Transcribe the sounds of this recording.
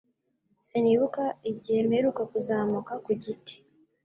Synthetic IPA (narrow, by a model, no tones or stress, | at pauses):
siniːβukaiɟihemeɾukakuzaːmukakuɟite̥